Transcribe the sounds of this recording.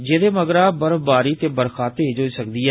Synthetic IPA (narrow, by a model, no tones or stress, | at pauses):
d͡ʒeːd̪eːməɡɾaːbəɾbaːɾiːt̪eːbəɾkʰaːt̪eːd͡ʒoːiːsəkd̪iːɛː